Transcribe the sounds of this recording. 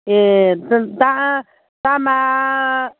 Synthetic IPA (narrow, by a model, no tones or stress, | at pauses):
et̪t̪ãʔ | t̪ama